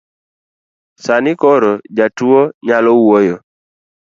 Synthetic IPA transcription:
sanɪkɔɾɔd͡ʒatuoɲalɔwojo

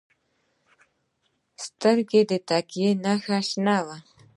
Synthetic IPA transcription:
st̪aɾɡed̪et̪akenaxaʃnawa

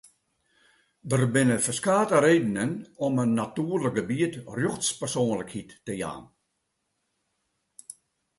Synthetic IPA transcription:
dərbɪnəfəskaːtəɾeːdənənɔmənːatyːrlək̚ɡəbiətrjoxtspərsoːnləkhitːəja̰ːn

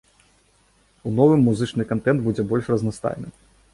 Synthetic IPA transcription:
unɔvɨmːuzɨt͡ʂnɨkant̪ɛnd̪bud͡zʲɛbɔlʲʂrɐznast̪a̰jnɨ̰

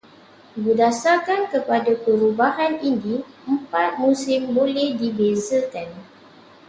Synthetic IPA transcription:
bədasakankəpadapəɾubaɦaninni | əmpat̪̚mũsɪmbolɛhdibezəkan

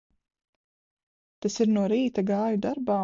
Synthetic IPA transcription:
t̪ɛsɪɾnoːɾiːt̪aɡaːjud̪aɾbaː

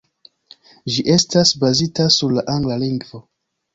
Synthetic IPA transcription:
d͡ʒiʔe̞stasbazitasuɾlaʔaŋɡlaliŋɡvo̞

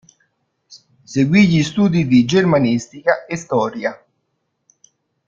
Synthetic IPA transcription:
seɡwiʎist̪uːd̪id̪id͡ʒermanist̪ikaest̪ɔːɾja

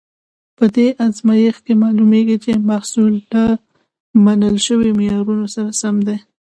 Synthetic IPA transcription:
pəd̪eʔazmajixkemɑlumeɡit͡ʃemahsult̪a | manəlʃəwimɪjɑɾunosaɾasamd̪e

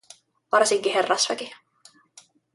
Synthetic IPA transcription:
ʋɑrsiŋkiɦerːɑsʋæki

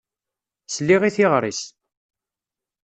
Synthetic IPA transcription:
slːiʁiθiʁɾˤis

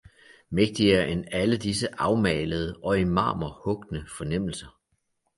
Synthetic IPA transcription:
meɡ̥̚d̥iɐʔenæləd̥isəʔɑ̈ʊmɛ̰ːləð̞ˠəʔɒ̽imɑ̰̈ːmɐhɔ̽ɡ̥nəfɒ̽nem̰l̩sɐ

